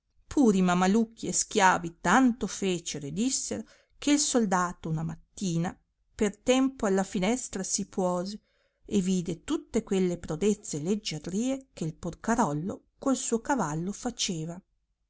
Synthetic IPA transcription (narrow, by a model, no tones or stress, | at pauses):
pʰuːɾimamalukʰːiesk̟jaːvit̪ant̪ofeːt͡ʃeɾed̪isːeɾo | keilsold̪aːt̪ounamat̪ːiːna | pert̪ɛmpoalːafinɛst̪ɾasipwɔːze | eviːd̪et̪ut̪ːekwelːepɾod̪et̪sːeled͡ʒːerːiːekeilporkaɾɔlːo̰ | kolsuːokavalːofat͡ʃeːva